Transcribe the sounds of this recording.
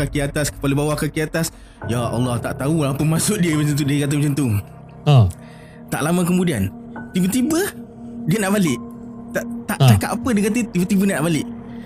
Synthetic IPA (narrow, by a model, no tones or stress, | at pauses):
kakiat̪askə̥paləbawahkakiat̪as | jaɑ̰lːɑht̪a̰ʔt̪aulapəmasʊʔ̚diəbət͡ʃənt̪̬udiəkat̪̬əbət͡ʃənt̪u | t̪aʔlamãk̬əmudian | t̪ibət̪ibə | diənaʔbalɪʔt̪aʔt̪aʔt͡ʃakat̪ʔapədiəkat̪ət̪ibət̪ibəniaʔnaʔbalɪʔ